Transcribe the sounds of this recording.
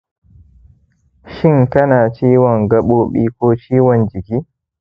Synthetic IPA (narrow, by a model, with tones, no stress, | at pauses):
ʃɪ˦˨ŋkɐ˦naː˨t͡ʃiː˦wɔ˨ŋɡɐ˦ɓoː˦ɓḭː˦kʷoː˦t͡ʃiː˦wɔ˨nd͡ʒɪ˨kʲiː˦